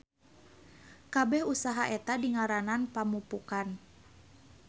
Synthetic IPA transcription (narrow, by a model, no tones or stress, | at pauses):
kabɛhusaɦaʔɛt̪adiŋaɾananpamupukan